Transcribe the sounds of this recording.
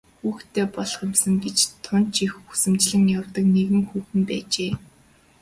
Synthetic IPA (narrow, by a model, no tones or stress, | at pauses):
xuːxt̪ʰeːpɔɮχə̆msə̆ŋɡet͡ɕt̪ʰʊnt͡ɕixu̥sɘ̆mt͡ɕɮɘ̆ŋjawt̪ə̆kneɣɘ̆ŋxuːxɘ̆mpæːt͡ɕeː